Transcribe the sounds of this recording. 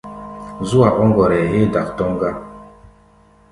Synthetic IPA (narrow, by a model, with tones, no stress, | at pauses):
zu˦a˨ʔɔ˦ŋɡɔ˨ɾɛ˨ɦe˦˨da˨ktɔ˦ŋɡa˦